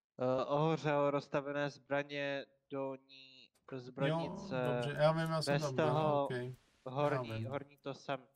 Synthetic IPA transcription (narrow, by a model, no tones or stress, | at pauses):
ʔoɦor̝ɛlɾost̪avɛnɛːzbɾaɲɛ | d̥oɲiː | ozbɾojɲɪt͡sɛjavimjasbɛstt̪oɦo | ɦoɾɲiɦoɾɲiːt̪osɛm